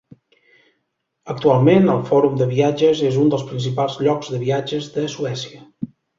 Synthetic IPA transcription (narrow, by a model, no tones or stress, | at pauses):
ək̚t̪ualˠmenəlˠfɔɾumd̪əβiad͡ʒəzezund̪əlˠspɾins̬ipalˠzʎɔkzðəβiad͡ʒəzðəsuɛsiə